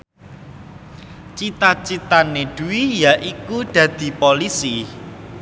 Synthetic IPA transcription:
t͡ʃit̪at͡ʃit̪aneɖ̪̥ṳwijaʔikud̪̥ä̤d̪̥i̤polisi

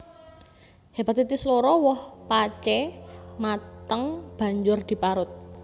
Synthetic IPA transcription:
hepat̪it̪isloɾɔwɔhpat͡ʃɛmat̪əŋb̥a̤ɲd͡ʒʊrd̪̥i̤paɾʊt̪̚

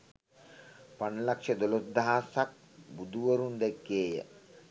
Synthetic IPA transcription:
panlakʂəd̪olod̪ːaɦasak̚ | bud̪uʋəɾund̪ekːeːjə̰

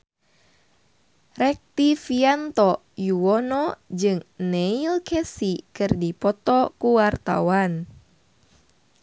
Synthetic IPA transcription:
rɛk̚t̪ifiant̪ɔ | juɔnɔd͡ʒɨŋnɛilkʰɛsikɨrdipɔt̪ɔkuwart̪a̰wan

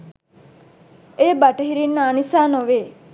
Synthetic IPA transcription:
eːbaʈəɦiɾinːaːnisaːnoʋeː

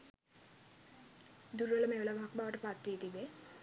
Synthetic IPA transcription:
d̪uɾʋələmeʋələʋɦakbaʋəʈəpat̪ːiːt̪ibe

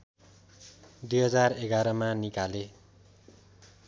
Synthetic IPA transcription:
d̪ujɦʌd͡zareɡaɾʌmanikale

